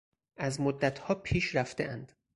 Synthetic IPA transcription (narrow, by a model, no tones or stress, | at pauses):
ʔæzmod̪ːæt̪ʰhɒːpʰiːʃɾæft̪eʔænd̪̥